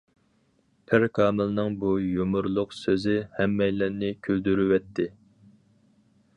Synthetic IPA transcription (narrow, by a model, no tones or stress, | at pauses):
pʰɪɾkʰɑːmɨlnɨŋbujomuɾlˠʊqsøzɪhɛmːɛjlɪɾnɪkʲʰøld̪yɾywɛt̪ʰːɪ